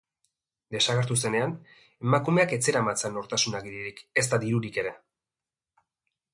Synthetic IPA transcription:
d̪e̞saɣ̞e̞ɾt̪us̬e̞ne̞an | e̞makume̞ake̞t͡se̞ɾamat͡senoɾt̪asunaɣiɾiɾike̞st̪aðiɾuɾike̞ɾe̞

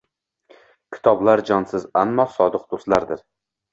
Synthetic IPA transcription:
kʲʰɪ̥t̪ʰɒblaɾd͡ʒɒnsɪzanːɒsɒd̪ɨq̚d̪ost̪laɾd̪ɪɾ

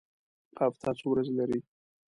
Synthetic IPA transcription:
qaft̪ʰɑt͡sowɾazlaɾi

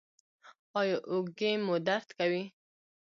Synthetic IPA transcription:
ɑjɑʔʊɡemod̪aɾt̪kawi

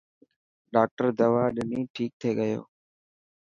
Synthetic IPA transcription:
ɗaːk̚ʈəɾd̪əʋaːɗɪniːʈʰiːk̚t̪ʰeːɠəjo̰ː

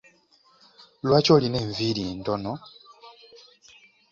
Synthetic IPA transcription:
lwaco̞ːline̞ːɱviːɾiːntono

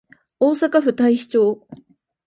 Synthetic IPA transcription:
oːsakaɸɯ̟t̪aiɕi̥t͡ɕo̞ː

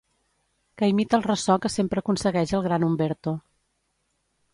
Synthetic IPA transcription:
kəjmit̪əlˠrəsɔkəsempɾəːkunsəɣɛʒəlˠɣɾanumbeɾt̪o

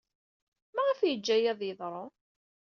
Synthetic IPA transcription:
mæʁəfjəd͡ʒːæjæðˤjəðˤɾˤo

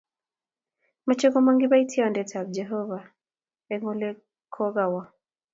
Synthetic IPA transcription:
mat͡ʃɛkɔmaŋɡiβaitʰiaɔndɛtʰab̚d͡ʒɛɦɔva | ɛŋɔlɛ | kʰɔɣawa

